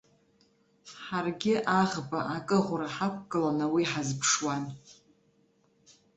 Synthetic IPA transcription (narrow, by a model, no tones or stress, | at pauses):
ħarɡʲɪʔaʁbaʔakʼɨʁʷɾaħapʷʰɡʼɨlanawiħazpʰʂwan